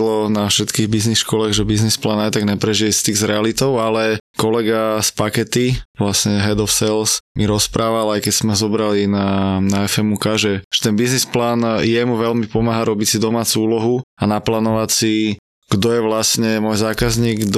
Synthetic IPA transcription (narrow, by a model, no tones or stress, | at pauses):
lɔnafʃɛt̪kiːɣbiznixʃkɔlaːɣʒɛbiznisplaːnajt̪aɡɲɛpɾɛʒiɛst̪iːɣzɾɛalit̪ɔʊalɛkɔlɛɡaspakɛt̪iʋlasɲɛɦɛd̪ɔfsɛlsmiɾɔspɾaːʋalajkɛcz̥mɛzɔbɾalinanaɛfɛmukaʒɛʒ̥ɛ̥t̪ɛnbiznisplaːnjɛmuʋɛlmipɔmaːɦaɾɔbicsid̪ɔmaːt͡suuːlɔɦuanaplaːnɔʋacsi | ɡ̥d̪ɔjɛʋlasɲɛmɔjzaːkazɲiːɡd̪